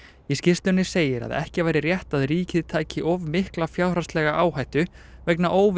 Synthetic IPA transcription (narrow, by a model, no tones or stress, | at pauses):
iscɪst̪ʏnːɪseːjɪɾa̰ðɛ̰hcɪvaːjɾɪrjɛht̪aðɾiːcɪðt̪ʰaːjcɪʔɔvmɪhklafjawrɾast̪lɛːɣaʔaːwhajht̪ʏ | vɛjknaʔoːwv